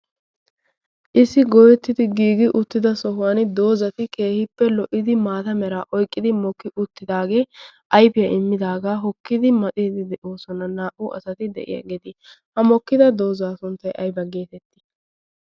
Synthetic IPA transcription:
ʔɪsːɪɡɔjɛt̪ːɪt̪ɪɡiːɡɪʔʊt̪ːɪd̪ɐsɔɦʊwand̪o̞ːzɐt̪ɪkeːhɪpːɛlɔʔɪd̪ɪmaːt̪ɐmɛɾaːʔɔjkʼːɪd̪ɪmɔkːɪʔʊt̪ːɪd̪aːɡe̞ːʔɐjbɪjɐʔɪmːɪd̪aːɡaːɦɔkːɪd̪ɪmɐt̪ʼid̪ɪd̪ɛʔoːsɔnɐnaːʔʊʔɐ̰sɐt̪ɪd̪ɛ̰ʔɪ̰jɐ̰ɡɛd̪ɪ | hɐmɔkːɪd̪ɐd̪o̞ːzaːsʊnt̪ːɐjʔɐjbɐɡeːt̪ɛt̪ːɪ̥

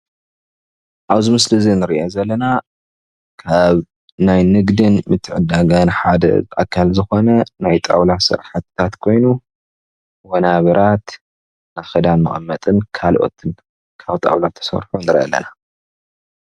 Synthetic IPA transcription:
ʔaβzɨmɨslɨzinɨɾiʔozɐlːɐna | kʰaβ | najnɨɡd̪ɨnmɨt̪ʰːɨʕɨd̪aɡanħad̪ɐ̰zʔa̰kʰːalzɨxo̞nɐnajt̪ʼa̰wlasɨ̰ɾħat̪t̪ʰːat̪kʰo̞jnu | wɐnaβɐɾat̪ | naxɨd̪anmɨ̰χʼɐmːɐt̪ʼɨnkʰalʔo̞̰t̪ʰɨn | kʰaβt̪ʼa̰wlat̪ʰːɐ̥sɐ̰ɾħunɨɾʔɐ̰lːɐ̰na

